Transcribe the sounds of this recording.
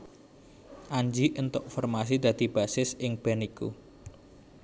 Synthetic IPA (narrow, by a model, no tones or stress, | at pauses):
ʔaɲd͡ʒiʔənt̪ʊʔfɔrmas̬id̪̥ä̤d̪̥i̤b̥asɪsɪŋb̥anikṵ